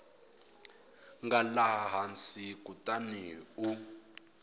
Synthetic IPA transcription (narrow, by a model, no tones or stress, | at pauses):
ŋɡalaɦaɦansikutʼaniːu